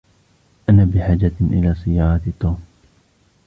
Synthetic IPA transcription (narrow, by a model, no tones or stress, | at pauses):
ʔanaːbɪħaːd͡ʒaʔɪ̰laːsɪjːɑːɾˤɑt̪t̪ːuːm